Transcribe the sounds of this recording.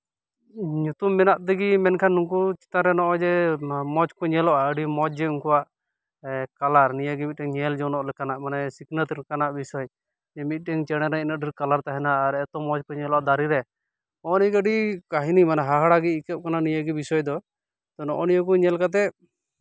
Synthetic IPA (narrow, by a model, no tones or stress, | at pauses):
ɲut̪umːɛnaʔt̪ɛɡimɛnkʰanːuŋkut͡ʃi̥t̪aɾɛnɔʔɔd͡ʒɛmɔt͡ʃkɔɲɛlɔʔaəɖimɔt͡ʃd͡ʒɛuŋkuwaʔ | kalaɾnijaɡimit̪̚ʈɛŋɲɛld͡ʒɔwnɔʔlɛkanaʔmanɛsiknət̪ɾɛkanaʔbisɔj | d͡ʒɛmit̪̚ˀʈɛŋt͡ʃɛɽ̃ɛɾɛinaʔɖiɾkalaɾt̪aɦɛnaːɾɛt̪ɔmɔt͡ʃkɔɲɛlɔʔad̪aɾiɾɛ | ɔɔnikəɖikaɦinimanɛɦaɦaɽaɡiːkɛp̚kananijaɡibisɔjd̪ɔ | t̪ɔnɔʔɔnijɔk̬uɲɛlkat̪̬ɛ